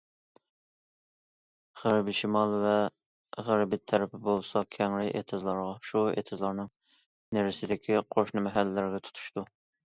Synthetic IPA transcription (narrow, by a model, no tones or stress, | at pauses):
ʁæɾbɪʃimɑlˠvɛ | ʁæɾbɪt̪ʰɛɾɪpʰɪbolˠsɑkʲʰɛŋɾɪʔḛt̪ʰɨzlˠɑɾʁɑʃuḛt̪ʰɨzlˠɑɾnɨŋ | nɪɾɪsɪd̪ɪkʲʰiqʰoʃnɨmɛɦælːɪːæɾɡʲɛt̪ʰu̥t̪ʰu̥ʃt̪u